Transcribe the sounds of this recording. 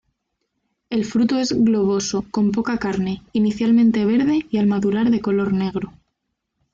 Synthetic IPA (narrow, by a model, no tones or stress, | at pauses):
e̞lfɾut̪oe̞zɣlo̞β̞o̞so̞ko̞mpo̞kakaɾne̞iniθjalmẽnt̪e̞β̞e̞ɾðe̞ialmaðulaɾðe̞ko̞lo̞ɾne̞ɣ̞ɾo̞